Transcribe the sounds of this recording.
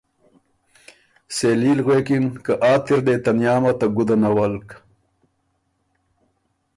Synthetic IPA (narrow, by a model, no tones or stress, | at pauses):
seliːlɣwekinkaʔaːt̪iɾd̪et̪anjɑːmat̪aɡud̪anawalk